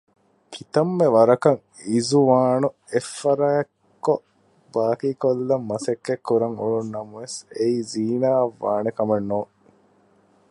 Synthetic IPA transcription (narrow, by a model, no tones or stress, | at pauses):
kʰit̪ɐmːeʋɐɾɐkɐŋ | izuʋaːnu | efːɐɾaɐkː | o | baːkiːkolːɐmːɐsekːekːuɾɐŋulunːɐmɐʋeseiːziːnaːɐʋːa̰ːnekɐmɐnːoː